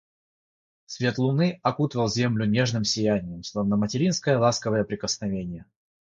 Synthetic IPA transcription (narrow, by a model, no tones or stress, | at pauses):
sʲvʲe̞t̪lˠʊnɨɐkut̪əvəlˠzʲe̞mlʲʊnʲe̞ʐnɨmsʲɪjænʲɪjəmslˠovnəmətʲɪɾʲinskəjəlˠaskəvəjəpɾʲɪkəsnɐvʲenʲɪjə